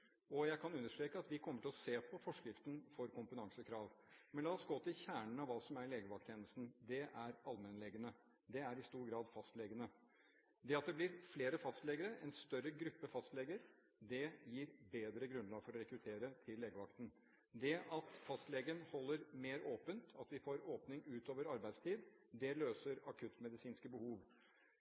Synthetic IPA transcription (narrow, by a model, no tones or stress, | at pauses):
ɔjæɪkʰɑnʉnːəʂʈɾeːkəɑt̪ʋɪkʰɔmːəʈʰɪlɔseːpʰɔfɔʂkɾɪft̪ən̩fɔɾkʊmpət̪ɑŋsəkʰɾɑːʋmɛnlɑːsɡɔt̪ːɪçæːɳən̩ɑʋʋɑːsɔmæɾɭeːɡəʋɑkt̪ʰeːnəst̪n̩d̪ɛʔæɾɑlmɛnlɛɡənə | d̪ɛæɾɪst̪uːɾɡɾɑːd̪fɑst̪lɛɡənə | d̪ɛɑt̪̚d̪ɛblɪɾfleːɾəfɑst̪lɛɡəɾəʔɛnst̪œɾːəɡɾʉpːəfɑst̪lɛɡəɾ | d̪ɛjiːɾbeːd̪ɾəɡɾʉnlɑːɡfɔɾɔɾɛkɾʉt̪ʰeːɾət̪ʰɪlːeːɡəʋɑkt̪n̩ | d̪ɛʔɑt̪fɑst̪lɛɡəɾənhɔlːəɾmeːɾoːpənt̪ʰɑt̪ʋɪfoːɾoːpnɪŋʉːt̪oːʋəɾɑɾbæɪst̪ʰiːd̪ | d̪ɛløːsəɾɑkʰʉt̪mɛd̪ɪsiːnskəbəhuːʋ